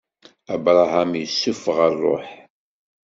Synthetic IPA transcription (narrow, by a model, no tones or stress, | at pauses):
æbɾˤɑɦamjəsːʊfʁəɾˤːo̰ħ